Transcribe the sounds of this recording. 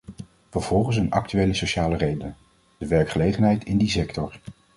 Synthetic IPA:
vəɹv̥ɔlˠχəns̬ənɑ̰k̚tyejləsoʃaːlərejdəən | d̥əʋɛɹkχəlejχənɦɛjtɪndisɛktɔɹ

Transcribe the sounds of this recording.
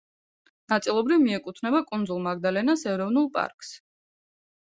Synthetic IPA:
nat̪sʼilˠɔbɾivmiɛkʼut̪ʰnɛbakʼund̪zulˠmaɡd̪alɛnasɛɾɔvnulˠpʼa̰ɾkʼs

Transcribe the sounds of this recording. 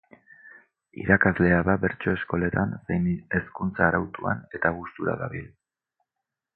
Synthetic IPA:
ḭɾakazle̞aðaβe̞ɾt͡ʃo̞e̞sko̞le̞t̪ansejne̞skunt͡saːɾawt̪ua̰ne̞t̪aɣ̞ust̪uɾa̰ða̰βil

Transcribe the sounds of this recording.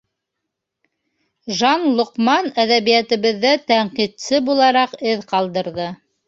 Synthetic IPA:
ʒɑnlˠŏqmɑnæðæβijæt̪ɘ̆βɘ̆ðːæt̪æɴqit̪sɘbulˠɑɾɑqɘðqɑlˠd̪ɤ̆ɾðɤ

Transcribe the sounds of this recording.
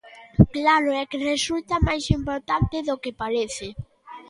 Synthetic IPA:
klaɾʊɛkɪresult̪ɐmajsimpoɾt̪ant̪ɪðokepaɾeθɪ

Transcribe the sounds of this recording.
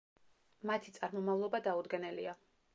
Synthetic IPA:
mat̪ʰit̪sʼaɾmɔmavlˠɔbad̪aud̪ɡɛnɛlḭa

